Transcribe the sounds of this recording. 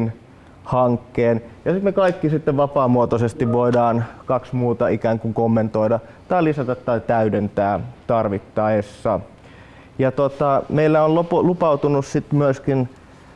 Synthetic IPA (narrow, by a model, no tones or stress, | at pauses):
n | hɑŋkːeːnjɑsit̪mekɑikːisit̪ːeʋʋɑpɑːmuot̪osest̪iʋʋoidɑːnkɑksmuːt̪ɑikæːŋkuŋkomːent̪oidɑ | t̪ɑilisæt̪ɑt̪t̪ɑit̪æydent̪æːt̪ɑrʋit̪ːɑesːɑ | jɑt̪ot̪ɑmeilːæonloplupɑut̪unussit̪myøskin